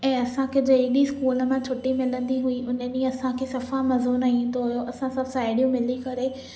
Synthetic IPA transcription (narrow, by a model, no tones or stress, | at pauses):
ɛ̃ːɐsãkʰed͡ʑeiskuːləmãt͡ɕʰʊʈimɪlə̃nd̪iɦʊiʔʊnənĩɐsãkʰesɐfamɐzoːnaĩːnd̪oɦʊjoʔɐsãsɐbsaːɪɽijũmɪlikɐɾe